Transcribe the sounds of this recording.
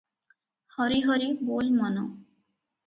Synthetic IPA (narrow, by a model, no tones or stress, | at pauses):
hɔɾiɦɔɾibolmɔno